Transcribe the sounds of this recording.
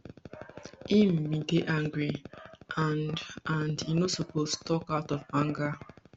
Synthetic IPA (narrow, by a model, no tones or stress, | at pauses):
ĩmːĩɡeʔãŋɡɹiʔãnãndinosopostʰɔkaʊtɔvãŋɡa